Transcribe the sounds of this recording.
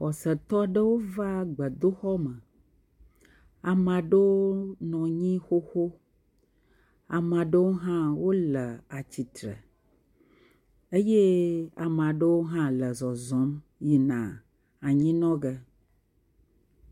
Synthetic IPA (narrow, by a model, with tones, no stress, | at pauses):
xɔ˨sə˨t̪ɔ˦ɖə˦wo˦va˦ɡ͡bə˨d̪o˦xɔ˦mə˨ | a˨mã˨ɖə˦wo˦nɔ̃˨ɲĩ˦xo˦xo˦ | a˨mã˨ɖə˦wo˦ɦã˦wo˦lə˨a˨t͡ɕi˨t̪ɾə̰˨ | e˦je˦a˨mã˨ɖə˦wo˦ɦã˦lə˨zɔ˨zɔ̃˨˦m | ji˨nã̰˨ | a˨ɲĩ˦nɔ̃˦ɡə˦